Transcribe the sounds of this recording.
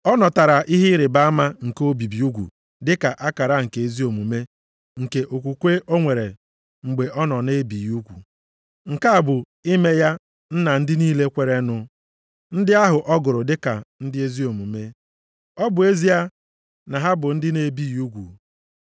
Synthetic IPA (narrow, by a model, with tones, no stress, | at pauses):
ɔ˦nɔ˨ta˨ɾa˨ʔi˦ɦɪ˦ɾɪ˨ba˦a˦ma˦ŋ̩˨ko˦bi˨bi˨u˦ɡʷṵ˨ | dɪ˦ka˨ʔa˦ka˨ɾa˦ŋ̩˨ke˨e˨zi˦o˨mu˨me˦ | ŋ̩˨ke˨ʔo˨kʷu˨kʷe˦o˦ŋʷe˨ɾe˨ | ŋ͡m̩˨ɡ͡be˨ʔɔ˦nɔ˨ne˦bi˨ju˦ɡʷṵ˨ | ŋ̩˨ka˦a˨bʊ˨ | i˦me˦ja˦ | n̩˦na˨n̩˦dɪ˦niː˦le˦kʷe˨ɾe˦nʊ˦ | n̩˦dɪ˦a˦ɦʊ˨ʔɔ˦ɡʊ˨ɾʊ˨dɪ˦ka˨n̩˦dɪ˦e˦zi˦o˨mu˨me˦ | ɔ˦bʊ˨e˦zi˦a˦ | na˨ɦa˦bʊ˨n̩˦dɪ˦ne˨bi˦˨ju˦ɡʷṵ˨